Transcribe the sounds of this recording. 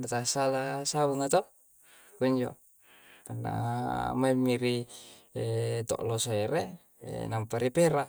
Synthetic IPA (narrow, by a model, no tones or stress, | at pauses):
nat̪asalasabuŋat̪o | kuɲd͡ʒo̰ | ana̰maemːiɾi | t̪ɔ̰ʔlosoeɾḛ | nampaɾipeɾa